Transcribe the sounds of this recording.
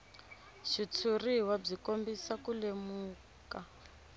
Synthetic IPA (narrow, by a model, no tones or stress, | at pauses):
ʃit͡sʰuriɦwab͡ʐikombisakulemuː | ka